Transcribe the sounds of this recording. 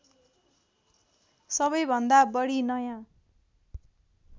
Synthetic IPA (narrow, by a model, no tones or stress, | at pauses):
sʌbʌjbʱʌnd̪abʌɽinʌjã